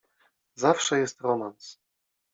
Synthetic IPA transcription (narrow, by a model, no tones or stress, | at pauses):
zafʂɛjɛst̪ɾɔmans